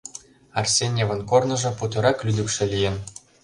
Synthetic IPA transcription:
ɑrsʲenʲeʋɤ̆nkornɤ̆ʐɤ̆put̪ɤ̆ɾɑklʲyd̪ʲykʃɘ̆lʲijɘ̆n

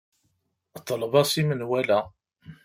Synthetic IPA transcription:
ət̪ˤːəlvɑsimənwælæ

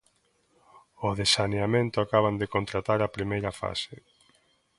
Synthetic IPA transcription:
ʊðesaneamẽnt̪ʊakaβand̪ekont̪ɾat̪aɾapɾimejɾɐfa̰se

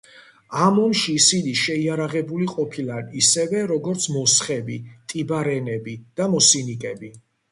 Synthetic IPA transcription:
amɔmʃiːsiniʃɛiaɾaʁɛbuliqʼɔpʰilˠaisɛvɛɾɔɡɔɾt̪sʰmɔsχɛbit̪ʼibaɾɛnɛbid̪̥amɔsinikʼɛbi

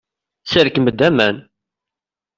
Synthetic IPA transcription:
səɾkəməd̪ːæmæn

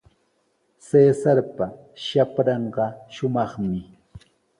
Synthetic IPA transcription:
seːsaɾpa | ʃapɾɑɴɢɑʃʊmɑχmɪ

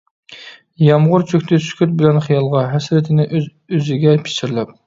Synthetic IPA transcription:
jɑmʁʊɾt͡ʃʰøkʲt̪ʰɪsy̥kʲʰyt̪̚bɪlɛnχijɑlˠʁɑɦɛsɾɪt̪ʰɪnɪʔ | øzɪɡʲɛpʰɪ̥t͡ʃɪɾlɛp̚

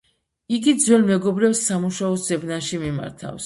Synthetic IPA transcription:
iɡid̪zwɛlmɛɡɔbɾɛbsːamuʃaɔsz̥ɛbnaʃimima̰ɾt̪ʰa̰fs

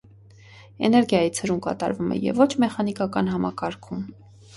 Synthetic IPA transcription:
ɛnɛɾɡjɑjit͡sʰhəɾumkɑ̰t̪ɑ̰ɾvumɛ̰jɛ̰vɔt͡ʃʰmɛχɑnikɑkɑnɦɑmɑkɑɾkʰum

